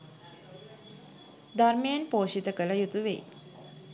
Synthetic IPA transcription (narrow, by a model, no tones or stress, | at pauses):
d̪ʱaɾmejənpoːʃit̪əkələjut̪uʋḛj